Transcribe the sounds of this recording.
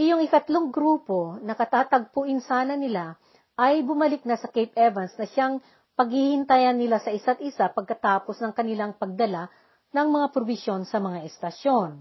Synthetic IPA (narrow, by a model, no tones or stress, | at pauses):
ʔɪjoŋɪk̪ɐt̪loŋɡɾuːpo̞nɐkɐt̪aːt̪ɐɡ̚pʊʔɪnsaːnɐnɪla | ʔɐjbʊmɐlɪk̚nɐsɐkejp̚ʔɛvɐnsnɐʃaŋ | pɐɡ̚hihɪnt̪ajɐnːɪlasɐʔɪsat̪ʔɪsapɐɡ̚kɐt̪aːposnɐŋkɐnɪlaŋpɐɡ̚d̪ɐla | nɐŋmɐŋapɾobɪsjo̞nsɐmɐŋaʔɛst̪ɐʃjo̞n